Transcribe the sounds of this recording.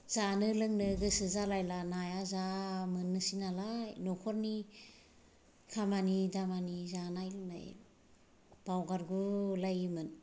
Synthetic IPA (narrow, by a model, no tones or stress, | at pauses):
zanɯlɯŋnɯɡɯsɯzalajlanajazamɯnːɯsinalajnɔkʰɔɾni | kʰamanidamanizanajlɯŋna̰j | b̥awɡaɾɡulajɯmɯn